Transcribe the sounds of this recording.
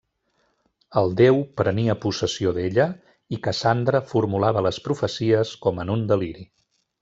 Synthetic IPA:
əlˠd̪ewpɾəniəpusəsioðeʎə | ikəsand̪ɾəfuɾmulaβələspɾufəsiəskɔmənund̪əliɾi

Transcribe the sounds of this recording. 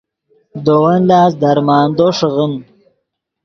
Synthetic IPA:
d̪owɐnlaːs̬d̪ɐɾmaːnd̪oʂəɣəm

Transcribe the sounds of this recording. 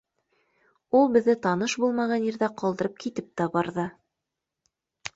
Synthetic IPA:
ulˠbɘ̆ðːɘt̪ɑnɤʃbulˠmɑʁɑnjiɾðæqɑlˠd̪ɤ̆ɾɤp̚kit̪ɘp̚t̪æbɑɾðɤ

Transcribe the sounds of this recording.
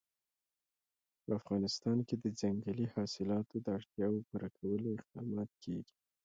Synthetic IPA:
pəafɣɑnɪst̪ɑnked̪əd͡zaŋɡəlihɑsɪlɑt̪od̪əaɽt̪jɑwopuɾakʰawəloɪq̚d̪ɑmɑt̪̚kʰeɡi̥

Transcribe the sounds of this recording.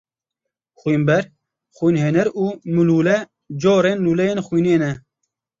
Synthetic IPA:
xwiːmbɛɾ | xwiːnɦeːnɛɾuːmɨluːlɛ | d͡ʒoːɾeːnluːlɛjeːnxwiːneːnɛ

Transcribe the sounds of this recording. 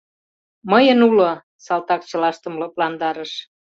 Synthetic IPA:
məjənulo | sɑlt̪ɑk̚t͡ɕə̆lɑʃt̪ə̆mlɤ̆plɑnd̪ɑɾəʃ

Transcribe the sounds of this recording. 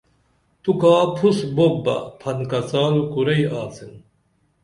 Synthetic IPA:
t̪ukaːpʰusbobːɐ̰pʰɐnkɐsaːlkuɾɐjaːsin

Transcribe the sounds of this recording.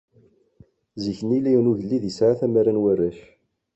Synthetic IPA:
ziçənilæjənuʝlːiðisʕaθæmæɾænwærːæʃ

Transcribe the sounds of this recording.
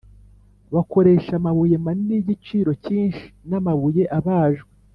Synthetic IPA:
βako̞ɾe̞ːʃamaβuje̞maniniɟit͡ʃiːɾo̞ciːnʃi̥namaβuje̞ʔaβaːʒɡwe

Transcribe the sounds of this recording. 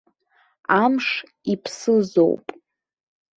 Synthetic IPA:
amʂ | ipʰsɨzo̞̰wpʼ

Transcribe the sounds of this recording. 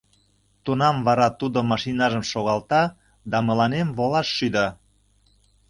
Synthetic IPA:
t̪unɑmvɑɾɑt̪ud̪omɑʃinɑʒəmʃoɣɑlt̪ɑ | d̪ɑmə̆lɑnemβolɑʃːyd̪ɑ

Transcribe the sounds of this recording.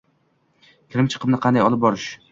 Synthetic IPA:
kʲʰɪɾɪmt͡ʃʰɨ̥qʰɨmnɪqʰɑnd̪ajɒlˠɪp̚bɒɾɪʃ

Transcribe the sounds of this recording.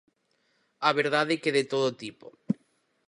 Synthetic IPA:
aβeɾðaðekeðet̪oðot̪ipo̰

